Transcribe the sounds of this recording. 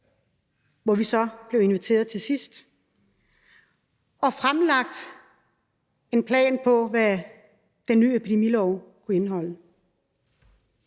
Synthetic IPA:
ʋɒʋisɒ̽b̥le̝ʊe̝nʋit͡sʰe̝̰ːɐðˠt͡sʰe̝sisd̥ | ɒ̽fʁamlɑ̈ɡ̥̚d̥ | e̝npʰlɛ̰ːnpʰɒ̽ʋæ | d̥enːy̰ːepʰid̥e̝milɒʊkʰue̝nɦɒ̽l̰ə

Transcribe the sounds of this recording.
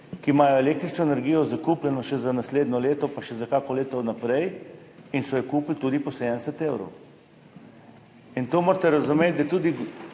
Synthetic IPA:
kimaːjɔeleːk̚t̪ɾit͡ʃnɔenɛɾɡiːjɔzakuplʲɛnɔʃɛzanasleːd̪nɔleːt̪ɔpaʃɛzakaːkɔleːt̪awnapɾɛj | insɔjɛkuːplt̪uːd̪ipɔseːd̪ənsɛt̪ewɾo̰w | int̪oːmoːɾt̪ɛɾazumeːt̪̚ʲd̪ajt̪uːd̪i

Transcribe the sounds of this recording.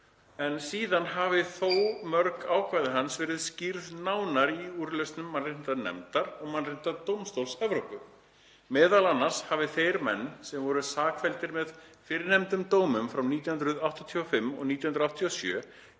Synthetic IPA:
ɛnsiːðanɦavɪθowmœɾkaːwkʰvajðɪɦansvɛːɾɪðscɪɾðnaːwnaɾiuːɾʏlœst̪nʏmːanrɪn̥t̪anɛ̰mt̪aɾɔɣmanrɪn̥t̪at̪owmst̪owlsɛvɾowpʏ | mɛːðalanːaɾ̥shavɪθejɾmɛ̰nːsɛmvɔɾʏsaːkfɛlt̪ɪɾmɛðfɪɾɪnɛmt̪ʏmt̪oːwmʏmfɾawniːt̪jhʏnɾʏðawht̪ɔt̪ʰiɔfɪmːɔ̰ɣniːjhʏnɾawht̪ʰiɔsjœ̰ː

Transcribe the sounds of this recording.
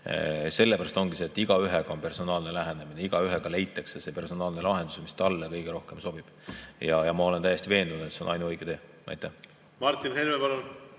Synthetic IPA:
se̞lːepæɾɑst̪o̞ŋɡ̥ise̞ːt̪ːˑiɡ̥ɑyɦeɡ̥ɑo̞npe̞rso̞nɑːlne̞læɦenemineiɡ̥ɑyɦeɡ̥ɑle̞jt̪ːˑɑksese̞pe̞rso̞nɑːlne̞lɑɦe̞nd̪u̥semist̪ɑlːekɤjɡ̥eɾo̞hke̞mso̞b̥ib̥jɑjɑmɑo̞le̞nt̪æjest̪ive̞ːnd̪unud̪et̪senɑjnuɤjɡ̥et̪eː | ʔɑ̰jt̪ːˑæh | mɑrt̪ːinhelmepɑlol

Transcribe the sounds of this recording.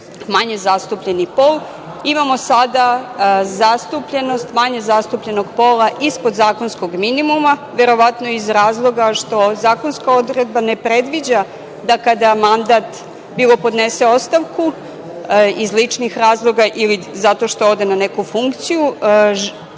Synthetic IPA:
maɲezast̪upʎe̞nipo̞l | imamo̞sad̪azast̪upʎe̞no̞st̪maɲe̞zast̪upʎe̞no̞ɡpo̞lˠaʔispod̪zaːko̞nsko̞ɡminimumaʋe̞ɾo̞ʋat̪noizɾaːzlˠo̞ɡaʂt̪o̞zaːko̞nskao̞d̪uɾe̞d̪̚bane̞pɾe̞d̪ʋid͡ʑa | d̪akad̪amand̪aːt̪ | biːlˠo̞po̞d̪nese̞o̞st̪aʋku | izlit͡ʂnixɾaːzlˠo̞ɡaʔilizat̪o̞ʃt̪o̞od̪e̞nanekufuŋkt̪siju

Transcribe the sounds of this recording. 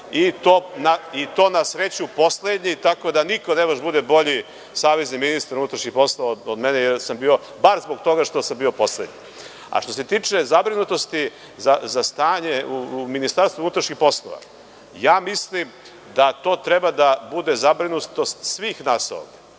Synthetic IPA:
it̪onait̪o̞ːnasɾet͡ɕupo̞sled̪ɲit̪ako̞d̪aniko̞nebaʒbud̪ebo̞ʎi | saːʋezniminist̪aɾunut̪ɾaʃɲixpo̞slˠoʋaod̪mɛnejeɾsambiːo̞ | baɾzboɡ̚t̪o̞ɡaʃt̪o̞sambiːo̞po̞slḛd̪ɲḭ | a̰ʃt̪ose̞t̪iːt͡ʂezabɾinut̪o̞st̪i | zazast̪aːɲeuminist̪aɾst̪vunut̪ɾaʃɲixpo̞slˠo̰ʋa̰ | jaːmislim | d̪at̪o̞ːt̪ɾebad̪abud̪e̞zabɾinut̪o̞st̪sʋiːxnaso̰ɡ

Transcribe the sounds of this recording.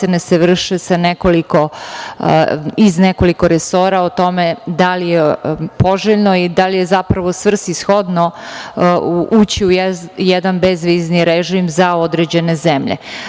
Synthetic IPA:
eneseʋr̩ʃesanekoliko̞ | izneko̞likoɾeso̞ːɾaot̪o̞med̪alijepo̞ʒeʎnoid̪alijezapɾaʋosvr̩sisxod̪no | uːt͡ɕiujjɛd̪anbezʋiːzniɾeʒimzaod̪ɾed͡ʑe̞nezemʎḛ

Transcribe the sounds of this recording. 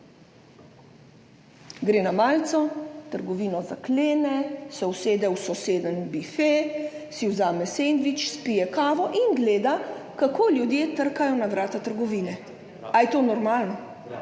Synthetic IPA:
ɡɾeːnamaːlt̪sɔt̪əɾɡɔʋiːnɔzakleːnɛsɔwseːd̪ɛwsɔseːd̪ənbifesiwzaːmɛseːnd̪ʋit͡ʃspijɛkaːʋɔʔinɡleːd̪akakoːljud̪jeːt̪əɾkajɔnaʋɾaːt̪at̪əɾɡɔʋiːnɛ | ajt̪oːnɔɾmaːlnɔ

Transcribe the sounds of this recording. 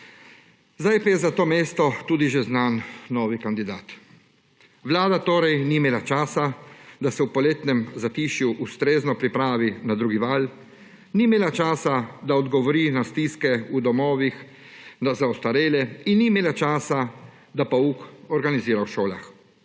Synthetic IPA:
zd̪ajpajɛzat̪oːmeːst̪ɔt̪uːd̪iʒeznanːɔːʋikand̪id̪aːt̪ | ʋlaːd̪at̪oːɾɛjnimeːlat͡ʃaːsad̪asɛwpɔleːt̪nɛmzat̪iːʃjuʔust̪ɾeːznɔpɾipɾaːʋinad̪ɾuːɡiʋal | nimeːlat͡ʃaːsad̪aɔd̪ɡɔʋɔɾinast̪iskɛud̪ɔmɔːʋix | nazaɔst̪aɾeːlɛinːimeːlat͡ʃaːsa | d̪apaukɔɾɡaniziːɾawʃoːla̰x

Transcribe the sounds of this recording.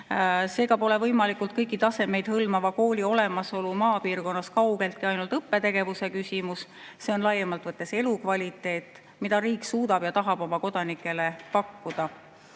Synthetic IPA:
se̞ːɡ̥ɑpo̞le̞vɤjmɑlikult̪̚kɤjkˑːit̪ɑse̞me̞jd̪̥hɤlmɑvɑko̞ːlʲio̞le̞mɑso̞lumɑːpiːrko̞nːɑskɑwɡ̥e̞lt̪̚kiɑjnult̪ɤpːe̞t̪e̞ɡ̥e̞vuse̞kysʲimus | se̞o̞nlɑjːemɑlt̪ˑvɤt̪ːˑe̞se̞lukvɑlʲit̪ːˑe̞ːt̪ːˑ | mid̪̥ɑɾiːksuːd̪ɑb̥jɑt̪ɑɦɑb̥o̞mɑko̞d̪̥ɑnikːˑe̞le̞pɑkːud̪̥ɑ

